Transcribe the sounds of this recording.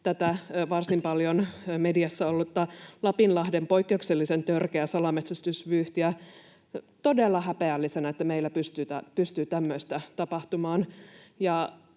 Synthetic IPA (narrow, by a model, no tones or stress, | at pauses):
t̪æt̪æʋɑrsimpɑljonmediɑsːɑolːut̪ːɑlɑpinlɑhdempoikːeukselːisent̪ørkeæsɑlɑmet̪sæst̪ysʋyːht̪iæ | t̪odelːɑhæpeælːisenæet̪ːæmeilːæpyst̪yːt̪æpyst̪yːt̪æmːøist̪æt̪ɑpɑht̪umɑːnjɑ